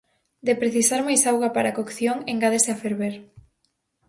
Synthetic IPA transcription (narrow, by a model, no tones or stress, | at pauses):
d̪epɾeθisaɾmajsawɣapaɾakokθjoŋeŋɡaðeseafeɾβeɾ